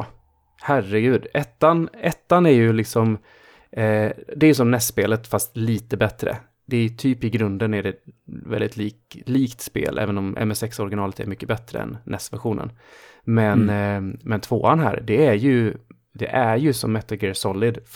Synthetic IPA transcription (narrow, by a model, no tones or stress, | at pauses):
hærəɡʉ̟ːd̪ɛt̪ːanɛt̪ːanæɾjɵlɪksɔm | d̪ɛæɾjɵs̬ɔmnɛst̪ːspeːlət̪fast̪liːt̪əbɛt̪ɾə̰ | d̪ɛæɾjɵt̪ʰyːpɪɡɾɵnd̪ənæɖɛvɛ̰ld̪ɪt̪liː | liːkt̪spḛːlʔɛ̰ːvənɔmʔɛ̰mɛsɛksɔɾɡɪnɑːlət̪ʰɛ̰ɾmʏkːəbɛt̪ɾə̰ɛ̰nːɛst̪væ̰ɾɧuːnə̰n | mɛnmɛnt̪ʰvoːanɦæ̰ːɾɖ̪ɛæɾjɵ | d̪ɛʔæɾjɵsɔ̰mːɛt̪ːəlɡɛsɔlɪd̪